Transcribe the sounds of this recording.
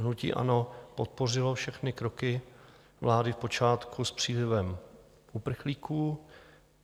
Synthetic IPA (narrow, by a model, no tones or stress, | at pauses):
ɦnucḭːʔa̰nopot̪̚po̞r̝ɪlofʃɛxnɪkɾokɪ | vlaːdɪfpo̞t͡ʃaːt̪kʰuspr̝̥iːlɪvɛm | ʔupr̩xliːkuː